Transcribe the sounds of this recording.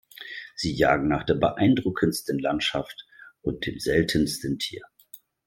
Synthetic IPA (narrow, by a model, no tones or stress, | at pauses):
z̥iːja̰ːɡŋ̩naːχd̥eːɐbəʔaɪndʁʊkʰənstənlantʃaftʔʊnt̚d̥ḛːmzɛltʰənstəntʰḭːɐ